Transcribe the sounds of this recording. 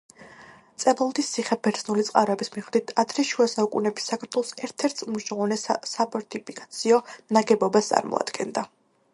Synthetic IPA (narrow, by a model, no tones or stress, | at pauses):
t̪sʼɛbɔlˠd̪ist̪ːʰiχɛbɛɾt̪sʰnulit̪sʼqʼaɾɔɛbismiʁd̪it̪ʰad̪ʰɾiʃuasaukʼṵnɛbisːakʰaɾt̪ʰwɔlˠɔsɛɾt̪ʰɛɾt̪ʰumʃavanɛsapʰɔɾt̪ʰʼipʰikʼḁt̪sʰiɔnaɡɛbɔbast̪sʼa̰ɾmɔ̰a̰d̪̥ɡɛnd̪a